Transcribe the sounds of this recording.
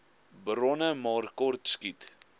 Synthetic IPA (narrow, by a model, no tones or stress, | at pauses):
bɾɔnəmɑːrkɔrtskit